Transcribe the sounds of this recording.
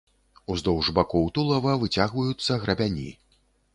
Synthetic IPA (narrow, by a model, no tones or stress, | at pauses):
uzd̪ɔwʐbakɔwt̪ulˠɐvɐvɨt͡sʲaɣvɐjut̪sːɐɣɾɐbʲanʲḭ